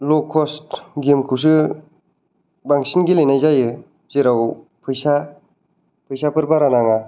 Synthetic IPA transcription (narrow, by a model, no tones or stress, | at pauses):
lokʰːɔstɡemkʰɯs̬ɯ | baŋsinɡilenajzajɯ | ziɾawpʰɯjsa | pʰɯjsapɯɾbaɾanaŋa